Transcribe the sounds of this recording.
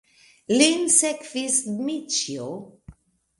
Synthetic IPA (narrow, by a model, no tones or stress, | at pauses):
linsɛkvismit͡ʃjo